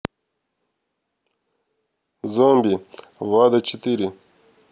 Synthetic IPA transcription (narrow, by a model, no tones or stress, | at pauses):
zoːmbiwaːd̪at͡ʃit̪iɾi